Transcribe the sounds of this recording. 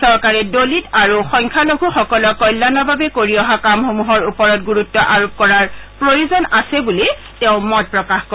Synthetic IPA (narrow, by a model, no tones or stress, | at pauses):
sɔɹkaɹɛdolitaɹuxɔŋkʰaloɡʱuxɔkɔlɔkːɔjlːanɔbabɛkoɹiɔɦakamxomuɦɔɹupɔɹɔtɡuɹutːɔʔaɹop̚kɔɹaɹpɹojuzɔnasɛbuli | tɛʊ̃mɔt̚pɹɔkaxko